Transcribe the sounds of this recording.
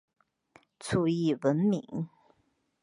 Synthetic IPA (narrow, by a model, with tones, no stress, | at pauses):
t͡sʰu˥˩i˥˩wə˧˥nmi˧˥ŋ